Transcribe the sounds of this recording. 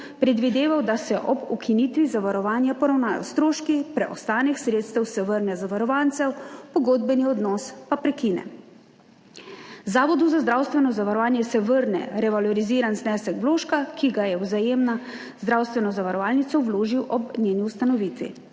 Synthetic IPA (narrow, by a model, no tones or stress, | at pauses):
pɾɛd̪ʋid̪eːʋawd̪asɛʔɔbukʰinit̪ʋizaʋaɾɔʋaːnjapɔɾawnaːjɔ̰st̪ɾoːʃkipɾɛʔɔst̪aːnixsɾeːt̪st̪ɛwsɛʋəɾnɛzaʋaɾɔʋant̪sɛwpɔɡoːd̪̚bɛniɔd̪nɔspapɾɛkiːnɛ̰ | zaːʋɔd̪uzazd̪ɾawst̪ʋɛnɔzaʋaɾɔʋaːnjɛsɛʋəɾnɛ̰ɾɛʋalɔɾiziːɾanznɛːsɛkʋloːʃkakiɡajɛwzajeːmna | zd̪ɾawst̪ʋɛnɔzaʋaɾɔʋaːlnit̪sɔwloːʒiwʔɔbnʲjeːniust̪anɔʋiːt̪ʋḭ